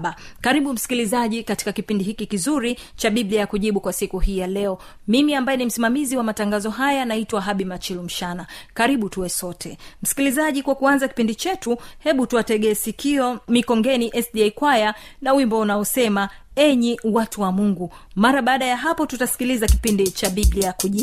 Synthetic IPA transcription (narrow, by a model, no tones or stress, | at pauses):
ɓakaɾiɓum̩si̥kilizaʄikati̥kakipindihikikizuɾit͡ʃaɓibliaakuʄiɓukwasikuhiːjalɛɔ | mimiambajɛnim̩simamiziwamataŋɡazɔɦajanaitwaɦaɓimat͡ʃilum̩ʃanakaɾiɓutuwɛsɔtʰɛm̩si̥kilizaʄikwakuanzaki̥pindit͡ʃɛtuhɛɓutuatɛɠɛːsikiɔmikɔŋɡɛniʔɛsɗiaikwajanawimbɔunaɔsɛma | ɛɲiwatuwamuŋɡumaɾaɓaːɗajaɦapɔtutasi̥kilizaki̥pindit͡ʃaɓibliakuʄi